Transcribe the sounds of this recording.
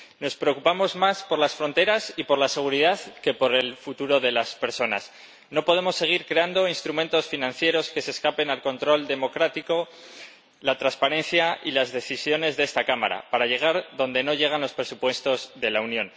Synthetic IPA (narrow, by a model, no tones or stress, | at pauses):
no̞spɾe̞okupamo̞zmaspo̞ɾlasfɾo̞nt̪e̞ɾasipo̞ɾlase̞ɣ̞uɾiðaðke̞po̞ɾe̞lfut̪uɾo̞ðe̞laspe̞ɾso̞na̰s | no̞po̞ðe̞mo̞sːe̞ɣ̞iɾkɾe̞and̪o̞inst̪ɾument̪o̞sfinãnθje̞ɾo̞ske̞se̞ːskape̞nalko̞nt̪ɾo̞ld̪e̞mo̞kɾat̪iko̞ | lat̪ɾanspaɾe̞nθjailazðe̞θisjo̞ne̞zðe̞st̪akama̰ɾa̰paɾaʝe̞ɣ̞aɾðo̞nd̪e̞no̞ʝe̞ɣ̞anlo̞spɾe̞supwe̞st̪o̞zðe̞launjõ̞n